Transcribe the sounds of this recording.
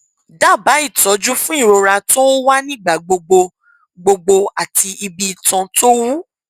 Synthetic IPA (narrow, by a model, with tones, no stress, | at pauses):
da˦˨ba˨˦i˦˨tɔ˨˦d͡ʒu˦fũ˦i˦˨ɾo˧ɾa˧to˦wa˦nĩ˦˨ɡ͡ba˦˨ɡ͡bo˧ɡ͡bo˧ | ɡ͡bo˧ɡ͡bo˧a˨ti˧ʔi˧bi˧˨tã˧to˦wu˦